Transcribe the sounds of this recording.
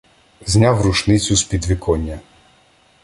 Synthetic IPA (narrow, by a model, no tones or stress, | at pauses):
zʲnʲawɾut͡ʃnɪt͡sʲʊspʲid̪ʋʲɪkɔnʲːɐ